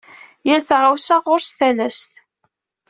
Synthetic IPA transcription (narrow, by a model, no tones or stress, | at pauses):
jəlθʁawsaʁʊɾst̪ælæst̪